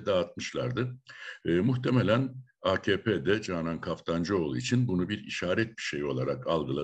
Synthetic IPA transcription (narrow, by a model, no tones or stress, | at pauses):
d̪aːt̪̚mɯʃlˠaɾd̪ɯː | muçt̪ʰemelʲænaːcʰeːpʰeːd̪ɛd͡ʒaːnankʰaft̪ʰand͡ʒɯolˠḭt͡ʃʰinbunubiɾḭʃaːɾɛt̪̚bi̥ʃe̞jo̞lˠaɾakʰalˠɡɯlˠa